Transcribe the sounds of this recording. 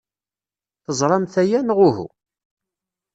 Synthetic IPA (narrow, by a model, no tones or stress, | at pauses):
θəzˤɾˤɑmθæjænʁʊhṵ